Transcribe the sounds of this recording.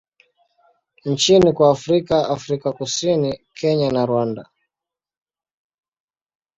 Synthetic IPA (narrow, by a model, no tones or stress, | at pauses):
ɲ̩t͡ʃinikwaːfɾikaafɾikakusinikʰɛɲanaɾwanda